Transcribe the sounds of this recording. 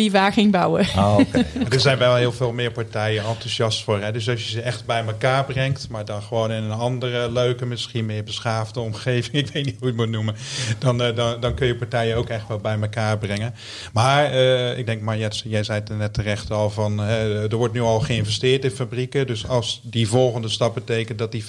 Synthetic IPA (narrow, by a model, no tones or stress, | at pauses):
ivaːxɪŋbawə | adəɹzɛjnʋɛlˠɦɪːlˠveːlˠmɪːɹpaɹtɛjənɑntusjɑstfʊːɹɦɛdøs̬ɑls̬jəzəɛxtbɛjməkaːɹbrɛŋktmaːɹdɑnχəʋoːnɪnənɑndərəløɥkəmɪsχinmɪːɹbəsaːvdəɔmχeːvɪŋɪkʋejt̚nitɦujəmut̚numəd̥ɑndɑnkɵnjəpaɹtɛjəowkɛxtʋɛlˠbɛjməkaːɹbrɪŋən | maːɹəɪ̰ɡ̚dɛŋk̚maːɹjɛsjɛjzɛjtənɛtːərɛxtəɑlˠvɑnɦɛdəɹʋɔɹtnyɑlˠχəɪnvɛstɪːɹtɪnfabrikədøsɑlˠsdivɔlˠχəndəstɑp̚bətejkənt̚dɑt̚di